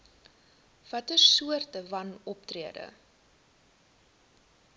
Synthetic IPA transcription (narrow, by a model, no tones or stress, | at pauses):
v̥ɐtəsuərtəvɐnɔp̚triədə̰